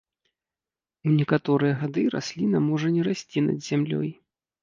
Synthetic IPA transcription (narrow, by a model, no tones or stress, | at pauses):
unʲɛkat̪ɔɾɨjɛɣad̪ɨɾa̰sʲlʲinɐmɔʐɐnʲɛɾasʲt͡sʲinɐ̰d͡zʲzʲamlʲɔ̰j